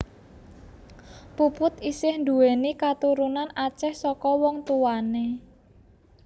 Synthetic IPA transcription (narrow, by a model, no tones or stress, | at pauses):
pupʊt̪isɪhnd̪uwenikat̪uɾunanat͡ʃɛhsɔkɔwɔŋt̪uwane